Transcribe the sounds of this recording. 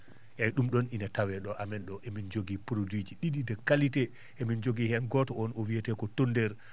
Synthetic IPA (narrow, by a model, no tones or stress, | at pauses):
ʔajɗumɗɔninatawɛɗɔʔamɛnɗɔʔemind͡ʒoɡipɾodwid͡ʒiɗiɗidɛkalitɛ | ʔemind͡ʒoɡihɛnɡɔtɔɔnɔwiɛtɛkɔtondɛɾ